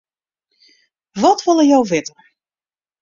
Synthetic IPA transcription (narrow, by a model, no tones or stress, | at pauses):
ʋɔtʋɔlˠəjɔwʋɪtər